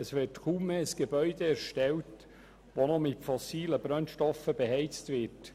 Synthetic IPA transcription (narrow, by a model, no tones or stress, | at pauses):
əsʋɪːtkuːmːeːsɡ̥eb̥œʏd̪eæɾʃtɛlt | ʋonɔmɪtfɔsiːləb̥ɾœnʃtɔfəb̥eɦɛɪt͡stʋɪt